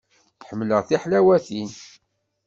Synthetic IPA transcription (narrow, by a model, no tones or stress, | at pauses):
θħəmːləʁθiħlæwæθin